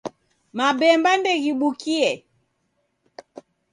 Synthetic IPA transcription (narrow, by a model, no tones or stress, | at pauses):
maɓɛmbandɛɣiɓukiɛ